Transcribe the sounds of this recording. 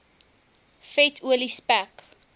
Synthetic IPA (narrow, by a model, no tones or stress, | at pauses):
fɛtʰuəlispæk